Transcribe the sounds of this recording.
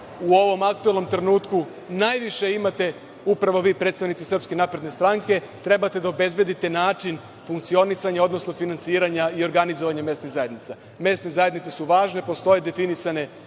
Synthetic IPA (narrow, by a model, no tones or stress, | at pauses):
uo̞ʋo̞mak̚t̪ue̞lno̞mt̪ɾe̞nuːt̪ku | najʋiʃe̞imat̪e̞ | upɾaʋo̞ʋiːpɾet̪st̪aʋnit̪sisr̩pske̞naːpɾe̞d̪ne̞st̪ɾaŋke̞ | t̪ɾe̞bat̪e̞d̪aobe̞zbje̞d̪it̪e̞naːt͡ʃin | fuŋkt̪sio̞nisaɲao̞d̪no̞sno̞finansiːɾaɲaio̞ɾɡanizoʋaɲame̞st̪niɣzaje̞d̪nit̪sa | me̞st̪nezaje̞d̪nit̪sesuʋaːʒne̞po̞st̪o̞je̞d̪e̞finisane̞